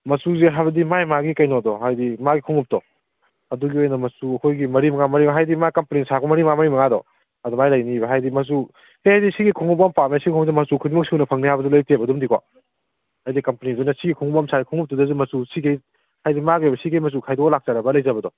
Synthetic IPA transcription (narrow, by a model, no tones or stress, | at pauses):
mɐsuzeɦajbɐdimajmaɡikɐjnɔdɔɦajdimaɡikʰuŋup̚tɔ | ɐduɡiojnɐmɐsuɐkʰojɡimɐɾimɐŋamɐɾibɦajdimakɐmpɐnisakɔmɐɾimamɐɾimɐŋadɔ̰ | ɐdɔmajlajnibɐɦajdimɐs̬u | hehajdisiɡikʰuŋupːɐmpamsiikʰuŋzimɐsukʰudumɐk̚siunɐpʰɐŋnihajbɐdɔlojk̚tebɐdumdikʰwa̰ | hajdikɐmpɐnidɔjnɐsiɡikʰuŋupamsʰaɡikʰuŋup̚tɔdɐzumɐsusikʰej | hajdimaɡisikejmɐs̬ukʰajdɔɡɔlak̚t͡ʃaɾɐbɐlɐjzabɐdɔ